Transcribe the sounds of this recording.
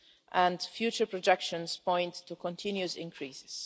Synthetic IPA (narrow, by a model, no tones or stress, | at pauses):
ʔæ̃ndfjuːt͡ʃə˞pɹɔd͡ʒɛkʃə̃nspʰɔ̃ɪ̃nttːukɔ̃ntʰɪ̃njusɪ̰̃ŋkʰɹiːsɪ̥z̥